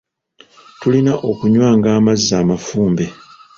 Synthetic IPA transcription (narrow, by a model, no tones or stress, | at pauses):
tulinaʔo̞kuɲwaːŋɡaːmazːaːmafuːmbe̞